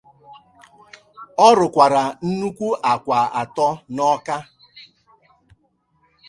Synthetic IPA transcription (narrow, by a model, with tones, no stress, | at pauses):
ɔ˦ɾʊ˨kʷa˨ɾa˨n̩˦nu˦kʷu˦ʔa˨kʷa˨a˨tɔ˦nɔ˦ka˦